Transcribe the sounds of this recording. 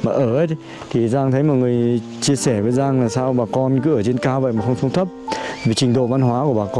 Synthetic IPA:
maː˨˩ʔəː˧˩ʔə˨˦j | t̪ʰi˨˩zaː˧ŋt̪ʰə˨˦jmɔ˨˩t̚ŋɨ˨˩əj | t͡ɕi˧əsɛː˧˩vəː˨˦jzaː˧ŋlaː˨˩saː˧wɓaː˨˩kɔ˧nkɨ̰˨˧˦ʔəː˧˩t͡ɕe˧nkaː˧və̰˧˨jmaː˨˩xə˧wŋ͡msə˧wŋ͡mt̪ʰə˦˥p̚vi˨˩t͡ɕï˨˩ŋ̟ɗo̰˧˨va˧nɦwaː˨˦ku˧˩əɓaː˨˩kɔ˧

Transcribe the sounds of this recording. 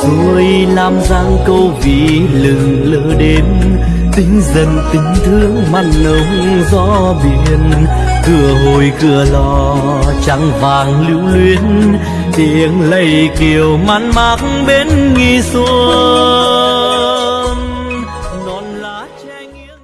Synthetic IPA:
t̪u˧˩˧əj | laː˧mzaː˧ŋkə˧wvḭ˧˨ | lɨ˨˩ŋ | ləː˧˦ɗe˨˦n | t̪ï˨˦ŋ̟zə˨˩nt̪ï˨˦ŋ̟t̪ʰɨ˧əŋma˧˩nʔə˨˦ŋ͡m | zɔ˧˥ | ɓi˧˩˨ən | kɨ˧˩əɦo˨˩jkɨ˧˩əlɔ˧˩ | t͡ɕa˧˦ŋvaː˨˩ŋli˧˥wlwi˧ən | t̪i˧˨əŋlə˧˩jki˨˩əwma˧˥nmaː˨˦˥k̚ŋɓe˨˦nŋi˧su˧˦ə˦ | n | ɗɔ˨˩nlaː˨˦t͡ɕa˧ŋi˧˥ə

